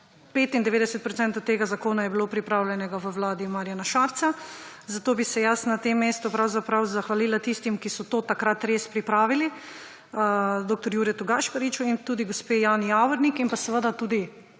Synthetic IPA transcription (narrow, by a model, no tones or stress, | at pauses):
peːt̪ind̪ɛʋeːd̪ɛsət̪̚pɾot̪sɛnt̪ot̪eːɡazakoːnajɛbiloːpɾipɾaːwljɛnɛɡaʋəwlaːd̪imaːɾijanaʃaːɾt̪sa | zat̪oːbisɛjasnat̪emːeːst̪upɾawzapɾawzaxʋaliːlat̪ist̪imkisɔt̪oːt̪akɾat̪ɾeːspɾipɾaːʋili | d̪oːk̚t̪ɔɾjuːɾɛt̪uɡaʃpaɾit͡ʃuint̪uːd̪iɡospeːjaːnijaːwɔɾnikinpasɛʋəd̪at̪uːd̪i